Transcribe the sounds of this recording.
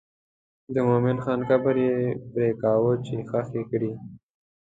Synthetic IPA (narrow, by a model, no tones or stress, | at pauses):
d̪əmomɪnxɑnxabəɾjepɾekɑːwot͡ʃexaxekɽi